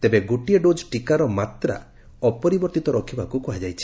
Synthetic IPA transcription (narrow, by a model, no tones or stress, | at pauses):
t̪ebeɡoʈijeɖod͡ʒɔʈikaɾɔmat̪ɾa̰ | ɔpɔɾibɔɾt̪it̪ɔɾɔkʰibakukuɦad͡ʒajt͡ʃʰi̥